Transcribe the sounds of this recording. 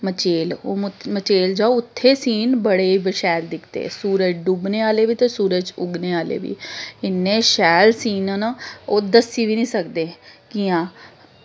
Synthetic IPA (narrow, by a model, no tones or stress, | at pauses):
mət͡ʃeːloːmmət͡ʃeːld͡ʒaːʊt̪ʰːeːsiːnbəɽeːiːbəʃɛːld̪ɪkʰt̪ḛːsuːɾəd͡ʒɖubneːaːleːʋiːt̪eːsuːɾəd͡ʒʊɡneːaːlḛːʋḭːɪnːẽːʃɛːlsiːnənaoːd̪əsiːʋiːnĩːsəkd̪eːkiːãː